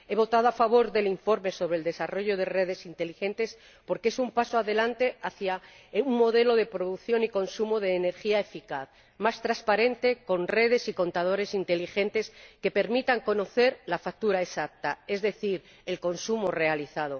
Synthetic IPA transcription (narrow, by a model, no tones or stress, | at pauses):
e̞β̞o̞t̪að̞oafaβ̞o̞ɾðe̞liɱfo̞ɾme̞so̞βɾe̞ld̪e̞saro̞ʝo̞ðe̞re̞ð̞e̞sint̪e̞lixe̞nt̪e̞s | po̞ɾke̞sumpasoaðe̞lant̪e̞aθja | uŋːo̞ðe̞lo̞ð̞e̞pɾo̞ðuθjo̞niko̞nsumoðe̞ːne̞ɾxiaefikaθ | mast̪ɾaspaɾe̞nt̪e̞ko̞nre̞ð̞e̞siko̞nt̪að̞o̞ɾe̞sint̪e̞lixe̞nt̪e̞ske̞pe̞ɾmit̪aŋko̞no̞θe̞ɾlafak̚t̪uɾae̞sak̚t̪ae̞zðe̞θiɾ | e̞lko̞nsumore̞aliθað̞o̞